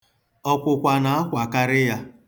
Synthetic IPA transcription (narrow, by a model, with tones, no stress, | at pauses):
ɔ˦kʷʊ˨kʷa˨na˨a˦kʷa˨ka˦ɾɪ˦ja˦